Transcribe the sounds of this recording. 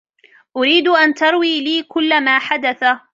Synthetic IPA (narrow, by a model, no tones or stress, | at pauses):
ʔʊɾiːd̪ʔant̪ɑɾˤwiːliːkʊlːamaːħad̪aθa